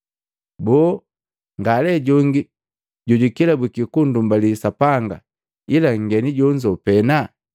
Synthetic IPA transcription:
bɔː | ŋɡalɛɟɔŋɡi | ɟuɟikilabikikundumbalisapaŋɡa̰ | ilaŋ̩ɡɛniɟɔɲd͡ʒɔpɛna

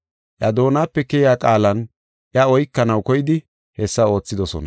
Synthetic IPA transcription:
ʔjɐd̪o̞ːnaːpːɛkɛjaːkʼaːlɐn | ʔjɐɔjkːɐnɐwkɔjɪd̪ɪ | hɛsːɐo̞ːt͡sːɪd̪ɔsɔ̰nɐ̰

